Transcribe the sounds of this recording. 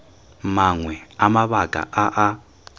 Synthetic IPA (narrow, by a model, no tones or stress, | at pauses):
maŋwɛamaβaɡʼa̰ʔaʔa